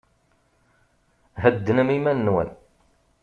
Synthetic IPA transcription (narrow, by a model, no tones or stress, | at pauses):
ɦəd̪ːənəmimænːwæ̰n